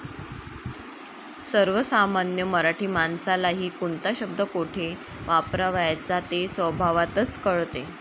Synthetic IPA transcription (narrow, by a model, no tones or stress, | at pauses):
səɾʋəsamanjəməɾaʈʰiːmansalaɦiːkunt̪aɕəb̚d̪əkoʈʰe | ʋapɾaʋajat͡sat̪esʋəbʱaʋat̪ət͡skəɭt̪e